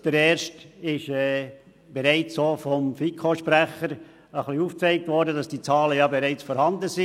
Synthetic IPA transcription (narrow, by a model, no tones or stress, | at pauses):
d̥ɛɾɛːɾʃtɪʃɛ | b̥ɛɾaɪt͡ssoːfɔmfikʰoʃpɾæχəɾ | əχliuːft͡sɛɪk̚tvɔɾdədɑsd̥iːt͡sɑːləjɑbeɾaɪt͡sfɔːɾhɑndəsi